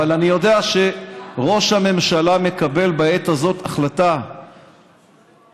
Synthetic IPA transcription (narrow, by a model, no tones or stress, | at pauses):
alanijo̞deaʃe̞ʁo̞ʃhame̞mʃalame̞kabe̞lbae̞t̪azo̞taχlata